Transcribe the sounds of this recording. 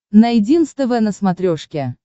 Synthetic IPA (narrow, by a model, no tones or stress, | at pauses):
nɐjɪdʲinst̪əvɛnəsmɐt̪ɾʲoʂkʲɪ